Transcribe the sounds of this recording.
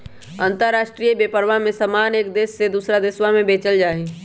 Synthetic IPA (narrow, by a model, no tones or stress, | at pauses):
ə̃nt̪əɾːaːʃʈɾijəbeːpəɾʋamẽsɐmaːneːk̚d̪eːsːed̪uːsɾad̪ɪswamẽbeːt͡ʃəld͡ʒaːɦe